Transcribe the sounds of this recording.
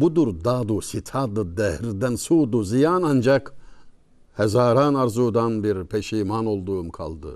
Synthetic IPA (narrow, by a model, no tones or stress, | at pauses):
bud̪uɾd̪ad̪usit̪ʰad̪ɯd̪ɛhɾd̪ænsuːd̪uzijanand͡ʒak | hɛzaːɾaːnaɾzuːd̪anbiɾpʰeʃiːmano̞lˠd̪uːmkʰa̰lˠd̪ɯ̰